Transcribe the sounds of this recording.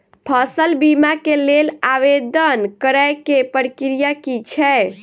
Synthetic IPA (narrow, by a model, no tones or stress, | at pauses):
pʰəsəlbimakelelaʋed̪ənkəɾajkepəɾkiɾijakit͡ʃʰɛ